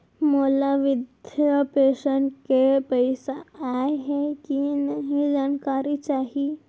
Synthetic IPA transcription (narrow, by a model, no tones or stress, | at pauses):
məlaʋid̪ʱjəpeɕəɳʈkepəjsaajɦekinaɦid͡ʑankaɾit͡ɕaɦi